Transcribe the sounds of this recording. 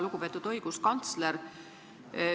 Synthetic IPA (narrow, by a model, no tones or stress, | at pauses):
luɡ̥upe̞ːt̪ːˑud̪̥o̞jɡ̥uskɑnt̪sleɾ